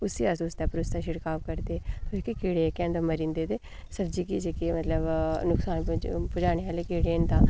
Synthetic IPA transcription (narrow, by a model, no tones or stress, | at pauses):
ʊsiːasoːst̪aːpʊɾʊst̪ãːʃɪɽkaːʋkəɾt̪eːokekeːɽeːkɛ̃ːnd̪ãməɾĩːnd̪eːd̪eː | səbd͡ʒiːkiːsekemət̪ləbnʊksaːnpʊd͡ʒaːneːɦaːleːkeːɽeːnd̪ãː